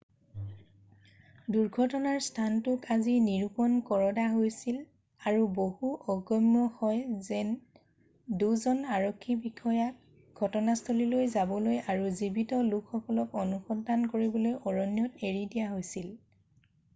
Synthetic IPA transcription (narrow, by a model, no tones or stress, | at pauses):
duɹɡʱɔtɔnaɹstʰantʊkaziniɹupɔnkɔɹɔdaɦojsil | aɹubohuʔɔɡɔmːɔxɔjzɛn | duzɔnaɹɔkʰːibikʰɔjak̚ | ɡʱɔtɔnastʰolilojzabɔlojaɹuzibitɔlukʰxɔkɔlɔkɔnuxɔndʱankoɹibɔlojʔɔɹɔnjɔteɹidijaɦojsil